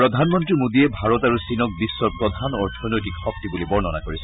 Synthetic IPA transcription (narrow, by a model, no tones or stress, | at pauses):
pɹɔd̪ʱanmɔntɹimodiɛbʱaɹɔtaɹusinɔk̚bisːɔpɹɔd̪ʱanɔɹtʰɔnɔjtikxɔk̚tibulibɔɹnɔna̰koɹisɛ